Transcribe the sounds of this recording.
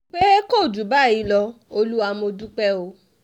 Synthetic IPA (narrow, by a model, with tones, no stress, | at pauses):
k͡pe˦ko˦˨du˨˦ba˦˨i˨˦lɔ˧o˧lu˦wa˧mo˧du˦k͡pɛ˦o˧˦